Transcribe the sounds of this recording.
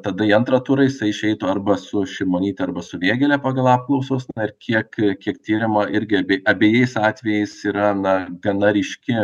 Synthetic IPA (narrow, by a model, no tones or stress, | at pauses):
t̪ɐd̪ɐiɐnt̪rɐt̪uːɾɐjɪsɐɪɪʃʲɛɪt̪ʊɐrbɐsʊʃʲɪmoːnʲiːt̪ʲɛɐɾbɐsʊʋʲeːɡʲɛlʲɛpɑːɡɐlˠɑːp̚klˠɐʊsoːsnɐɪrkʲiɛkkʲiɛkt̪ʲiːɾʲɪmɐɪɾʲɡʲɪɐbʲeːʔɐbʲeːjɛɪsɑːt̪ʲʋʲɛjɛɪsiːɾɐnɐɡɐnɐɾʲɪʃʲkʲɪ